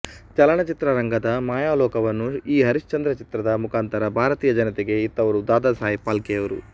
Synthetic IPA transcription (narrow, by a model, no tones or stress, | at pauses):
t͡ʃɐlɐɳɐt͡ʃit̪ɾɐɾɐŋɡɐd̪ɐmaːjaːlɔːkɐʋɐnːuiːɦɐɾiʃt͡ʃɐnd̪ɾɐt͡ʃit̪ɾɐd̪ɐmukʰaːnt̪ɐɾɐbʱaːɾɐt̪iːjɐd͡ʒɐnɐt̪ɛɡe̞it̪ːɐʋɐɾud̪aːd̪aːsaːjipaːlkɛjɐʋɐɾu